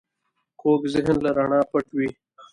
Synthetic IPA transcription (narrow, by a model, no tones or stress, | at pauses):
koːkzɪɦnlaɾaɳãːpɐʈwi